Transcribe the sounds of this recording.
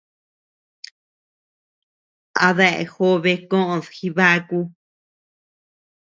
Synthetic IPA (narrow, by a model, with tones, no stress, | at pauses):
a˧ða˧ʔḛ˧xo˦βe˧kõ˦ʔõ˧ðxi˧βa˦ku˧